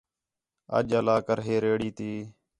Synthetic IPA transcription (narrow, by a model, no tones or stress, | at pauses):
ə̰d͡ʒəlaːkəɾɦeːɾeːɽiːt̪iː